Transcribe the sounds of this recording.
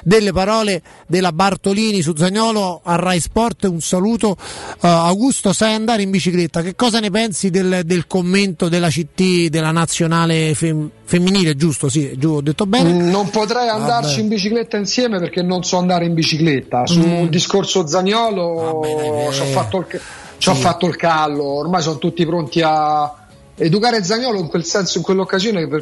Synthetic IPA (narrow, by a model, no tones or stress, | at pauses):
d̪elːepaɾɔːle | d̪elːabart̪oliːnis̬ud̪zaɲɔːloarːajspɔrt̪unsaluːt̪o | awɡust̪osajand̪aːɾeimbit͡ʃiklet̪ːak̟ekːɔːzanepɛnsid̪eld̪elkomːent̪od̪elat͡ʃit̪ːid̪elːanat̪sːjonaːlefefemːiniːled͡ʒust̪osid͡ʒuɔd̪ːet̪ːobɛnnompot̪ɾɛjand̪art͡ʃiimbit͡ʃiklet̪ːainsjɛːmeperk̟enːonsɔand̪aːɾeimbit͡ʃiklet̪ːasund̪iskorsod̪zanjɔːlo | t͡ʃafːat̪ːolk | t͡ʃafːat̪ːoilkalːoːrmaːjs̬ɔnt̪ut̪ːipɾont̪ia | ed̪ukaːɾed̪zːanjɔːloiŋkwelsɛnsoiŋkwelːokːazjoːnepː